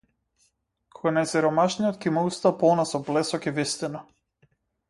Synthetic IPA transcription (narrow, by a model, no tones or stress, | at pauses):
kʰɔɡanajsɛɾɔmaʃnijɔt̪kimaust̪apɔlˠnasɔblɛsɔkivist̪inɔ